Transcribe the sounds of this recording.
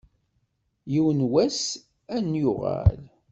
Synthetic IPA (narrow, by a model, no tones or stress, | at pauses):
jiwənwæs | ænjʊʁɑ̰l